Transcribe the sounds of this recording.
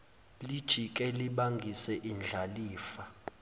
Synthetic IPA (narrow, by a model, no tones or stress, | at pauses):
lid̥ʒ̥ʱikʼɛliɓaŋɡʱisɛʔind͡ɮʱaliːfa